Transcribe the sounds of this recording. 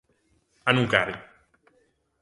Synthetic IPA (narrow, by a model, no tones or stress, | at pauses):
anukaɾi